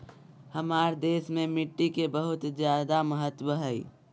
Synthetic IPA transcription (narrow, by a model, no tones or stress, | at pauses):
həmaːɾd̪eːsmẽmɪʈːikebəɦʊt̪d͡ʒjaːd̪aməɦət̪ːwəɦɛi